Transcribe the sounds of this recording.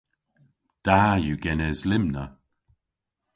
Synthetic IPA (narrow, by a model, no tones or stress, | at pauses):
d̥ajuɡɛnɛzlɪmnə